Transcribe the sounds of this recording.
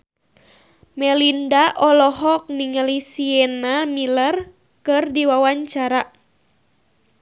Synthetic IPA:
mɛlindaʔɔlɔɦɔk̚niŋalisienamilər | kɨrdiwawaɲt͡ʃaɾa

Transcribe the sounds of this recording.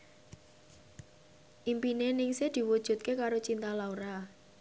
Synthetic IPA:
ʔimpinenɪŋsɪhd̪̥i̤wud̥ʒ̥ṳt̪̚kekaɾot͡ʃint̪alaoɾa

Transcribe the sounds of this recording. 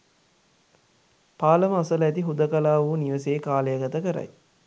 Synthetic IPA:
paːlɐmɐɐsɐlɐæt̪iɦud̪ɐkɐlaːʋuːniʋɐseːkaːlejaɡɐt̪əkəɾɐ̰j

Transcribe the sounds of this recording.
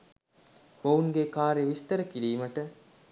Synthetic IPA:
bouŋɡekaːɾeʋist̪ɐɾəkiɽiːmɐʈə

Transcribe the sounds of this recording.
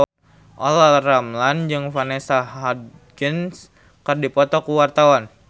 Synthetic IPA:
ʔɔ̰lalramland͡ʒɨŋfanesaad | kəns | kɨrdipɔt̪ɔkuwart̪awan

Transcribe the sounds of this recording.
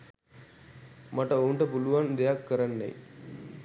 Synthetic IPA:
maʈəoːɳʈəpuluʋand̪ejakːəɾanːɛ̰j

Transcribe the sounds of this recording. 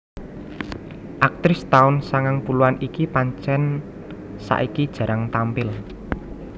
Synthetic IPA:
ʔak̚t̪ɾɪst̪aʊnsaŋaŋpuluanikipaɲt͡ʃɛn | sa̰ʔikid̥ʒ̥ä̤ɾaŋt̪ampɪl

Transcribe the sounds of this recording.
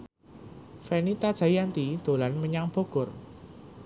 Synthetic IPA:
fɛnit̪ad̥ʒ̥a̤jant̪id̪̥o̤lanməɲaŋb̥oɡ̥ʊr

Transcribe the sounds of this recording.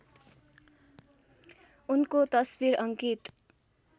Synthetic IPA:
unkot̪ʌsbiɾʌŋkit̪

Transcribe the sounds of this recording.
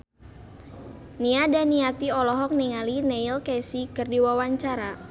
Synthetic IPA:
niadaniat̪iɔlɔɦɔk̚niŋalineilkɛsikɨrdiwawaɲt͡ʃaɾa

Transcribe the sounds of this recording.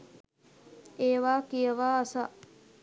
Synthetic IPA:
eːʋaːkijəʋaːsaʔ

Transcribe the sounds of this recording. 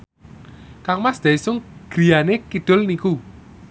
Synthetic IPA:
kaŋmasd̪̥aisʊŋɡ̥ɾijanekid̪̥ʊ̤lniku

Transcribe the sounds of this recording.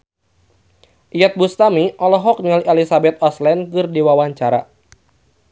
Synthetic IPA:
ʔijat̪̚bust̪amiʔɔlɔɦɔk̚nilʔɛlisabɛt̪̚ɔslɛnkɨrdiwawaɲt͡ʃaɾa̰

